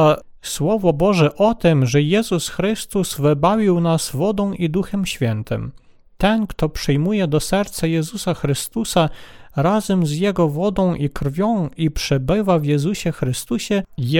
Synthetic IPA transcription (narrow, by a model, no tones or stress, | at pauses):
swɔvɔbɔʐɛʔɔt̪ɛmʐɛjɛzusxɾɘst̪uz̥vɘbavʲiwnasvɔd̪ɔ̃w̃ʔid̪uxɛmɕfʲjɛnt̪ɘ̰m | t̪ɛnkt̪ɔpʂɛjmujɛd̪ɔsɛɾt̪sajɛzusaxɾɘst̪usaɾazɛmzjɛɡɔvɔd̪ɔ̃w̃ʔikɾfʲjɔ̃w̃ipʂɛbɘvavjɛzuɕɛxɾɘst̪uɕɛ